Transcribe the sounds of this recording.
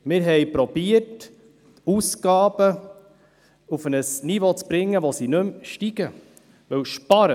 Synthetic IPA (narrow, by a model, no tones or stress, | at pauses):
mɪɾɦɛjpɾɔb̥iət | usɡɑːb̥ə | ufənəsnivot͡sb̥ɾɪŋːəʋosinɵmʃtiɡ̥ə | ʋɵwʃpɑɾə